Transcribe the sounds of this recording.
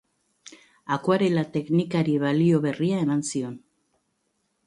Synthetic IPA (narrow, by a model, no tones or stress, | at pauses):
akoaɾelat̪e̞knikaɾiβalio̞βe̞riae̞mansio̞n